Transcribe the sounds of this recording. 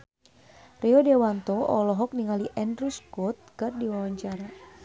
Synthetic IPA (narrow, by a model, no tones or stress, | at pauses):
rɛɔdewant̪ɔʔɔlɔɦɔk̚niŋaliʔɛndɾuskɔt̪̚kɨrdiwawaɲt͡ʃaɾa